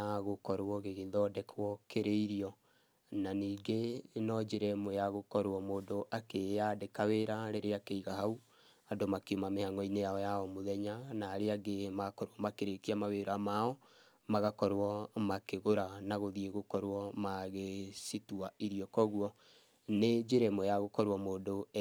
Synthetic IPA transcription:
aɣokɔɾwɔɣeɣeðɔdɛkʰwɔkeɾeiɾiɔ | naniːɡenɔd͡ʒeɾɛmwɛjaɣokɔɾwɔmoːndoʔakeadekaweɾaɾeɾeakeiɣaɦau | adomakeumamehaŋɔinejaɔjaɔmoðɛɲanaːɾeaɡemaɣakɔɾwɔmakeɾekiamaweɾamaɔ | maɣakɔɾwɔmakeɣoɾanaɣoðieɣokɔɾwɔmaɣesituaiɾiɔkɔɣwɔ | ned͡ʒeɾɛmojaɣokɔɾwɔmoːndo

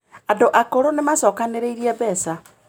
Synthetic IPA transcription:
andoʔakoɾonemasɔːkaneɾeiɾiɛβɛsa

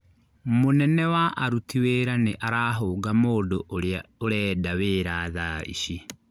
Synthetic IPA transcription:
monɛnɛwaʔaɾutʰiweːɾaneʔaɾaːɦoːɡamoːdoʔoɾeaoɾɛːdaweːɾaːðaḭʃi

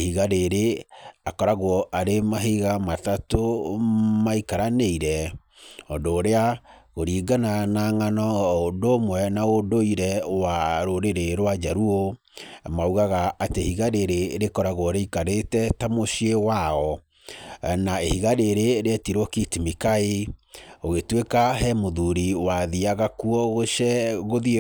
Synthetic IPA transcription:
ehiɣaɾeɾeakɔɾaɣwɔʔaɾemaɦeɣamatato | maikaɾaneiɾɛ | ɔdoːɾeaɣoɾiːɡananaŋanɔodomwɛnaodoiɾɛwaɾoɾeɾeɾwad͡ʒaɾuo | mauɣaɣaʔatehiɣaɾeɾeɾekɔɾaɣoɾeikaɾetɛtamoʃiewaɔ | naehiɣaɾeɾeɾeatiɾwɔkitimikae | oɣetwekaɦɛmoðuɾiwaðiaɣakuɔɣoʃɛɣoði

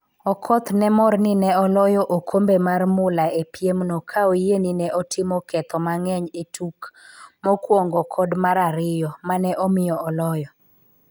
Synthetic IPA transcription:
ɔkʰɔt̪nɛmɔrnɪnɛɔlɔjɔʔokʰombemarmʊlaepjemnɔkʰaojeninɛʔɔtʰɪmɔkɛt̪ɔmaŋɛɲetʰukmɔkwɔŋɡɔkʰɔdmaɾaɾɪjɔmanɛʔɔmɪjɔɔlɔjɔ

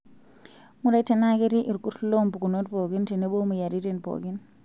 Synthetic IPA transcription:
muɾajtɛnaɡeɾiʔiɾkutlompukunotpoɡintinɛɓomujaɾitinpo̰ɡin

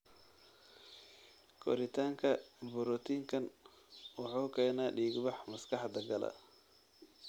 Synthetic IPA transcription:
kʰɔ̰ɾɪt̪ʰaːŋkʰɐbʊɾɔt̪ʰiːŋkʰɐn | wʊħuːkʰɛːnaːɖiːɡbɑħmɐskʰɑħd̪ɐɡɐlɐ̰

